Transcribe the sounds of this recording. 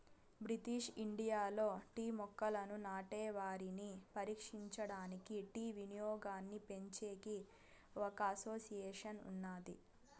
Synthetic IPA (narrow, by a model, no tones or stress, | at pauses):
bɾit̪iːʂiɳɖijaːlo̞ːʈiːmɔkːɐlɐnunaːʈɛːʋaːɾinipɐɾiːkʂiɲt͡ʃɐɽaːnikiʈiːʋinijɔːɡaːnːipe̞ɲt͡ʃeːɡi | ɔkɐɐsoːsijɛːʂɐnṵnːaːd̪ḭ